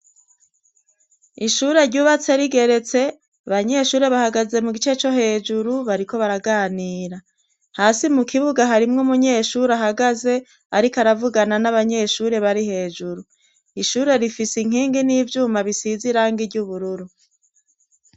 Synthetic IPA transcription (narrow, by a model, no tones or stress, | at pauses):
iʃuːɾe̞ɾɟuːβat͡se̞ɾiɡe̞ɾe̞t͡se̞ | aβaɲe̞ʃuːɾe̞βahaɡaze̞muɡit͡ʃe̞t͡ʃo̞ɦe̞ːd͡ʒuɾuβaɾiko̞βaɾaɡaːniːɾa | haːsimukʰiβuɡaɦaɾimŋomuɲe̞ʃuːɾaɦaɡaze̞ | aɾikaɾavuɡananaβaɲe̞ʃuːɾe̞βaɾihe̞ːd͡ʒuɾu | iʃuːɾe̞ɾifisiŋ̥iːŋɡiniːvjuːmaβisiziɾaːŋɡiɾɟuβuɾuɾu